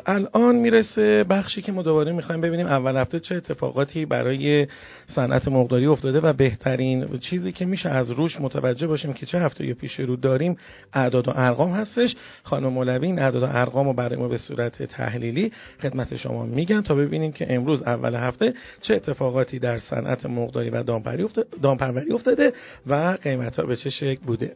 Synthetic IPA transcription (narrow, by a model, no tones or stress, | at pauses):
ʔælʔɒːnmiːɾese̞bæxʃiːcʰe̞mɒːd̪o̞βɒːɾemixɒːjimbe̞biniːmævːælhæft̪et͡ʃʰe̞et̪ʰːe̞fɒ̰ɣɒːt̪ʰiːbæ̰ɾɒːje | sænʔæ̰t̪ʰemoɣd̪ɒːɾiːo̞ft̪ɒːd̪e̞væbe̞ht̪ʰæɾint͡ʃʰiːziːcʰe̞miːʃeæzɾuːʃmot̪ʰævæd͡ʒːe̞hbɒːʃiːmcʰe̞t͡ʃʰe̞hæft̪e̞jɒpʰiːʃe̞ɾuːd̪ɒːɾiːm | ʔæd̪ɒːd̪oʔæɾɣɒːmhæst̪e̞ʃ | xɒːnumemolæviːiːnæd̪ɒːd̪oʔæɾɣɒːmobæɾɒjemɔːbe̞sṵːɾæt̪ʰe̞̰t̪ʰæ̰hliːliː | xe̞d̪mæt̪ʰe̞̰ʃo̰mɒ̰miːɟænt̪ʰɒːbe̞biniːmcʰe̞̰ʔemɾuːzævːæ̰lɦæft̪e̞ | t͡ʃʰeet̪ʰːe̞fɒːɣɒːt̪ʰiːd̪æɾsæ̰nʔæ̰t̪ʰemoɣd̪ɒ̰ːɾḭvæ̰d̪d̪ɒːmpʰæɾvæɾiːo̞ft̪ɒːd̪e̞ | væɢe̞jmæt̪hɒ̰ːbe̞t͡ʃʰe̞ʃecʰlbuːd̪e̞